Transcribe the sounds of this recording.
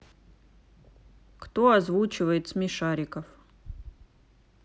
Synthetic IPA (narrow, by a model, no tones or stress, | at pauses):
kt̪oazvut͡ʃɪvəjɪt̪smʲiʂaɾʲɪkəf